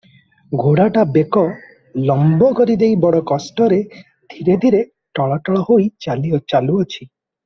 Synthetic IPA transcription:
ɡʱoɽaʈabekɔ | lɔmbɔkɔɾid̪ejbɔɽɔkɔsʈɔɾe | d̪̥ʱiɾed̪ʱiɾe | ʈɔɭɔʈɔɭɔhojt͡ʃaliɔt͡ʃaluɔt͡ʃʰi

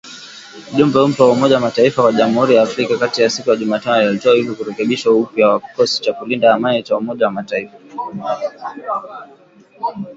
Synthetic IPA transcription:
uʄumbɛum̩tɔwaumɔʄawamataifakwaʄamuhuɾijaːfɾikakatijasikujaʄumaːtanɔaliɔlitɔahivɔkuɾɛkɛɓiʃaupjawakɔsi̥t͡ʃakulindahamanit͡ʃaumɔʄawamataifa

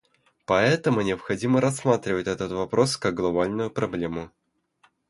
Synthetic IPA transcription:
pɐɛt̪əmʊnʲɪəpxɐdʲiməɾɐsːmat̪ɾʲɪvətʲɛt̪ət̪vɐpɾo̞skɐɡ̚ɡlˠɐbalʲnʊjʊpɾɐblʲemʊ

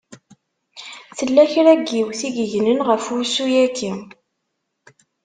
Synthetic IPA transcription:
θəlːæçɾæɡːiwθiɡəʝnənʁəfusujæki

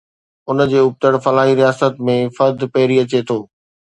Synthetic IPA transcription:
ʊnd͡ʑeːʊb̚t̪əɽfɐlaːɦiɾijaːsət̪mẽfɐɾd̪ʱpɐɦɪɾiɐt͡ɕet̪ʰoː

